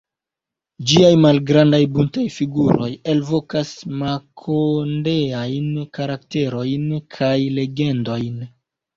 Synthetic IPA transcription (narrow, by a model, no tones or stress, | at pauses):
d͡ʒiajmalɡɾandajbuntajfiɡuɾo̞je̞lvo̞kasmakʰondeajnkaɾakte̞ɾo̞jnkʰajle̞ɡe̞ndo̞jn